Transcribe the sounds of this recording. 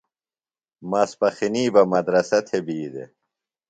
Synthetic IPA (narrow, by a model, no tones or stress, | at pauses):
mɐspɐxiniːbɐmɐd̪ɾɐsɐt̪ʰebiːd̪ḛ